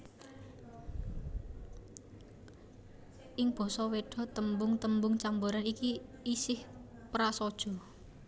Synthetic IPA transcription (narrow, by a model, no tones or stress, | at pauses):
ʔɪŋb̥ɔ̤sɔweɖ̥ɔ̤t̪əmbʊŋt̪əmbʊŋt͡ʃamboɾanikiːsɪhpɾasɔd̥ʒ̥ɔ̤